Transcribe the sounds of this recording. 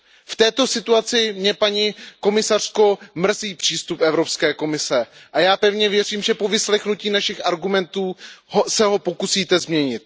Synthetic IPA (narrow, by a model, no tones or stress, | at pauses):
ft̪ɛːt̪o̞sɪt̪uat͡sɪmɲɛpaɲiko̞mɪsar̝̥ko̞mr̩ziːpr̝̥iːst̪upʔɛvɾo̞pskɛːko̞mɪsɛʔajaːpɛvɲɛvjɛriːmʒɛpo̞vɪslɛxnuciːnaʃɪxʔaɾɡumɛnt̪uːɦosɛɦo̞po̞kusiːt̪ɛzmɲɛɲɪt̪̚